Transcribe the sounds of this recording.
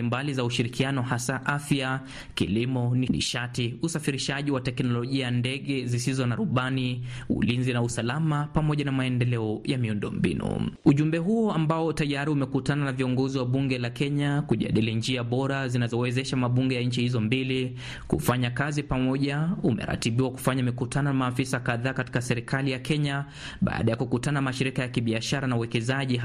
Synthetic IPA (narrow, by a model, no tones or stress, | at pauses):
imbalizauʃiɾikianɔhasaʔafja | kḭlimɔninḭʃatiusafiɾiʃaʄiwatɛknɔlɔʄiandɛɠɛzisizɔnaɾuɓaniṵlinzinausalamapamɔʄanamaɛndɛlɛɔjamiundɔ̰mbḭnṵuʄumbɛɦuɔambaɔtajaɾiumɛkutananaviɔŋɡɔziwaɓuŋɡɛlakɛɲakuʄa̰ɗilind͡ʒiaɓɔɾazinazɔwɛzɛʃamaɓuŋɡɛjaɲ̩t͡ʃihizɔmbili | kṵfaɲakazipamɔʄaumɛ̰ɾa̰tiɓiwaku̥faɲamɛkutʰananamaːfisakaðaːkati̥kasɛɾikʰalijakʰɛɲa | ɓa̰ːɗajakukutanaamaʃiɾikajakiɓiaʃaɾanauwɛkɛzaʄi